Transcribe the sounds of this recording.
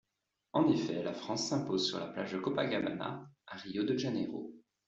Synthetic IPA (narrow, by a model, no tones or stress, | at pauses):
ɑ̃d̪efɛlafχɑ̃sːɛ̃pozsyʁla̰pla̰ʒd̪əkɔpaɡama̰na̰aʁijod̪əʒeneʁo̰